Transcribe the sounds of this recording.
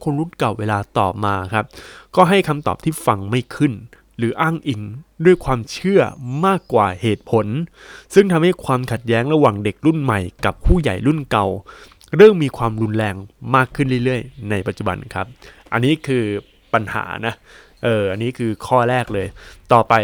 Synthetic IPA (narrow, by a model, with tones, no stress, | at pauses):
kʰo˧nɾu˦˥˩nka˨˩wːeː˧laː˧t̪ɔ̰ː˨˩p̚maː˧kʰa˦˥p̚kɔː˥˩ɦa˥˩jkʰa˧mt̪ɔ̰ː˨˩p̚t̪ʰiː˥˩fa˧ŋma˥˩jkʰɯ˥˩n | ɾɯː˩˦ʔaː˥˩ŋʔi˧ŋdu˥˩əjkʰwaː˧mt͡ɕʰɯ˥˩ɐmaː˥˩kːwa̰ː˨˩heː˨˩t̪̚pʰo˨˦nsɯ˥˩ŋt̪ʰa˧mha˥˩jkʰwaː˧mkʰa˨˩t̪̚jɛː˦˥ŋɾa˧waː˨˩ŋde˨˩k̚ɾu˥˩nma˨˩jka˨˩p̚kʰuː˥˩ja̰˨˩jɾu˥˩nka˨˩w | ɾɤː˥˩ŋmiː˧kʰwaː˧mɾu˧nlɛː˧ŋmaː˥˩kʰːɯ˥˩nɾɯː˥˩jɾɯ˥˩əjna˧jpa˨˩t̪t͡ɕu˨˩ba̰˧nkʰa̰˦˥p̚ | ʔa˧nːiː˦˥kʰɯː˧ | pa˧nha̰ː˩˦na˦˥ | ʔɤː˨˩ʔa˧nːiː˦˥kʰɯː˧kʰɔː˥˩ɾɛː˥˩k̚lɤː˧jt̪ɔː˨˩pa˧j